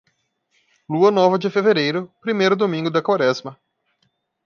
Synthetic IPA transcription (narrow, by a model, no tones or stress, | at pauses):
luɐnɔvɐd͡ʒɪfeveɾejɾʊpɾimejɾʊd̪omĩŋɡʊd̪ɐkwaɾɛzmɐ